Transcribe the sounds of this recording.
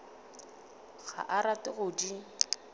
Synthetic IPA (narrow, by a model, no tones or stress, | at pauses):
ɣʰa̰ʔaɾatɪɣʊdi